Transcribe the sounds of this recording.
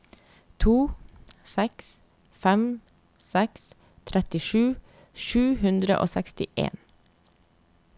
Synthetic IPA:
t̪ʰuːsɛks | fɛm | sɛks | t̪ʰɾɛt̪ɪʃʉː | ʃʉːhʉnd̪ɾə̰ʔo̰ːsɛkst̪ɪʔḛːn

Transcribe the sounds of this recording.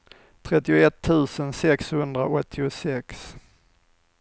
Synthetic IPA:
t̪ʰɾɛt̪ːɪʊɛt̪ʰːʉ̟ːsənsɛkshɵnd̪ɾaʔɔt̪ʰːɪʊsɛks

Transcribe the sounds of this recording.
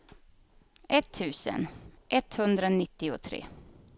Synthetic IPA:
ʔɛt̪ʰːʉ̟ːsə̰nʔɛt̪hɵnd̪ɾanɪt̪ːɪʊt̪ʰɾḛː

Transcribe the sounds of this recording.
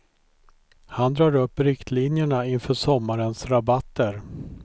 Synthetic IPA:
hand̪ɾɑːɾɵpːɾɪkt̪ʰlinjəɳaɪnfœːʂɔmːaɾənsɾabat̪ːəɾ

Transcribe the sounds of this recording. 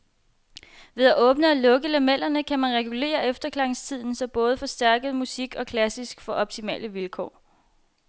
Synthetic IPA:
ʋe̝ð̞ˠæʔɔ̽ːb̥nəɒ̽lɔ̽ɡ̥əlæmel̰ɐnəkʰæmænʁɛɡ̥ule̝̰ːɐʔefd̥ɐkʰlɑ̈ŋst͡sʰið̞̰ˠn̩sɒ̽b̥ɔ̽ːð̞ˠəfɒ̽sd̥æɐɡ̥ð̩ˠmusiɡ̥ɒ̽kʰlæsisɡ̥fɒ̽ʔɒ̽b̥̚t͡sʰimɛ̰ːləʋilkʰɒ̰ː

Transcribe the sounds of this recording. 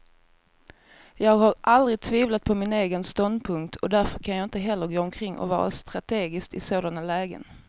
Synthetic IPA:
jɑːɡhaɾʔald̪ɾɪɡ̚t̪ʰviːvlat̪̚pʰɔmɪneːɡənst̪ɔnd̪pʰɵŋkt̪ʰɔd̪æɾfœɾkʰanjɑːɪnt̪əɦɛlːəɾɡoːɔmkʰɾɪŋːɔ̰vɑ̰ːɾa̰st̪ɾat̪ʰeːɡɪskt̪ɪsoːd̪analɛːɡə̰n

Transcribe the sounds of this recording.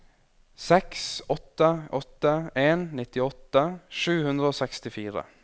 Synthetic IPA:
sɛksɔt̪ːəʔɔt̪ːəeːnnɪt̪ɪɔt̪ːəʂʉːhʉnd̪ɾəoːsɛkst̪ɪfiːɾə̰

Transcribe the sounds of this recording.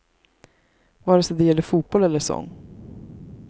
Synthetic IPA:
vɑːɾɛsɔd̪ɛjɛlːəfuːt̪̚b̥ɔlɛlːəsɔ̰ŋː

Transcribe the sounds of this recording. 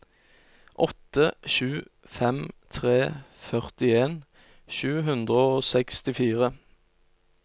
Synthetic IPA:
ʔɔt̪əʃʉː | fɛmt̪ʰʁeːfœʁt̪ɪeːn | ʃʉːɦʉnd̪ʁəoːsɛkst̪ɪfiːʁə

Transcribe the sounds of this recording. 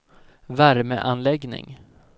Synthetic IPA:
væɾməʔanlɛɡnɪ̰ŋ

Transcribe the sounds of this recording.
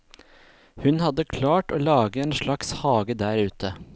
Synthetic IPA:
hʉnhɑd̪əkʰlɑːʈoːlɑːɡəeːnʃɭɑkshɑːɡəd̪æːɾʉːt̪ʰə

